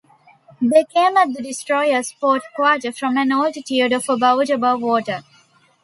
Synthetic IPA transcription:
d̪eːkẽːmæʈ̚d̪əɖɪsʈɾɔɪəspoːʈkwaːʈəfɾɔ̃mæ̃noːlɖtiəɖɔfəbaʊʈəbʌʋːɔːʈə

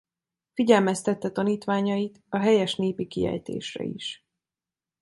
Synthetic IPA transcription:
fiɟɛlmɛst̪ɛt̪ːɛt̪ɒniːt̪ʋaːɲɒjit̪ɒɦɛjɛʃneːpikiɛ̰jt̪ḛːʃrɛ̰ḭʃ

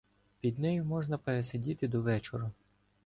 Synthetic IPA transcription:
pʲid̪nɛjʊmɔʒnɐpeɾesɐdʲit̪ɪd̪ɔʋɛt͡ʃɔɾʊ

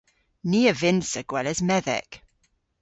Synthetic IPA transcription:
niːəvɪ̃nsəɡ̥wɛləzmɛðɛ̰k

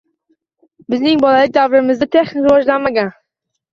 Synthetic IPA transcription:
bɪznɪŋbɒlˠalɪk̚d̪avɾɪmɪzd̪at̪ʰe̞χnɪkwɒʒlanmaɡʲan

